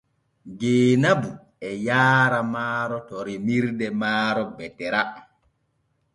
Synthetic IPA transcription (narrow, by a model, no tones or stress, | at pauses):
ɡeːnabu | ɛjaːɾamaːɾɔtɔɾemiɾdɛmaːɾɔbɛtɛɾa